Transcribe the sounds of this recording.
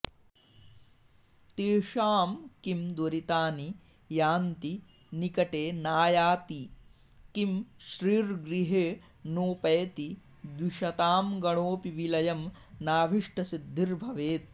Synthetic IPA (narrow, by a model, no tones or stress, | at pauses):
t̪eːʂaːmkimd̪wɐɾit̪aːni | jaːnt̪i | nikɐʈeːnaːjaːt̪i | kimʃɾiːɾɡɾiɦeː | noːpɐjt̪i | d̪wiʃɐt̪aːmɡɐɳ̃oːpiʋilɐjɐm | naːbʱiʂʈɐsid̪ʱːiɾbʱɐʋeːt̪̚